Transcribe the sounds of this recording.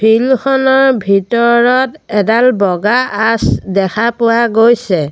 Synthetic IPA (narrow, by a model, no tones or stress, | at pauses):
bʱilxʰɔnɔɹbʱitɔɹɔt | ɛdalbɔɡaːsdɛkʰapʊwaɡojsɛ